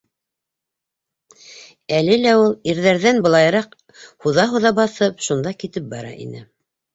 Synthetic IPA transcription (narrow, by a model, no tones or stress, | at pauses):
ælɘlæulˠiɾðæɾðænbɤ̆lˠɑjɾɑq | huðɑɦuðɑbɑθɤpʃund̪ɑkit̪ɘp̚bɑɾɑ̰ʔḭnɘ̰